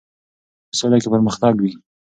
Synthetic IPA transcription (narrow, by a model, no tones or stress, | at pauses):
solakepəɾməxt̪ɑɡwi